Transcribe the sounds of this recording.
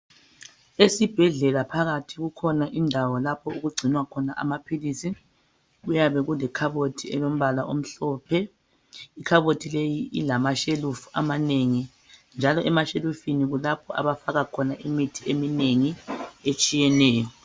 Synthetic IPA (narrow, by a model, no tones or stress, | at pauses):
esib̥ʱɛɮɛlapʰaɣatʰiɣukʰɔnaʔindʱawɔlapʰɔuɣuɡ͡ǀʱinwakʰɔnaʔa̰mapʰilisi | ɣujaβɛɣulɛkʰaβotʰiɛ̰lom̩βalaʔom̩ɬɔːpʰɛ | ikʰaβotʰilejiilamaʃelufua̰maneŋi | nd͡ʒʱalɔʔɛmaʃelufiniɣulapʰɔʔa̰βafaɣakʰɔnaʔimitʰiemineŋiet͡ʃʼijɛnɛːjɔ